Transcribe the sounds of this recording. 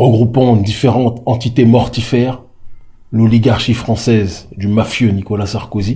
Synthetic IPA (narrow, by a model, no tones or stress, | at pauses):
ʁəɡʁupɑ̃d̪ifeʁɑ̃t̪ɑ̃t̪it̪emɔʁt̪ifɛːʁ | lɔliɡaʁʃifχɑ̃sɛzd̪ymafjønikɔlasaʁkozi